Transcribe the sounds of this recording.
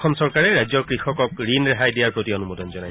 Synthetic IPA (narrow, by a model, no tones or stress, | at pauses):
xʰɔmsɔɹkaɹɛɹajzɔɹkɹixɔkɔkɹinɹɛɦajdijaɹpɹotiɔnumɔdɔnzɔnaj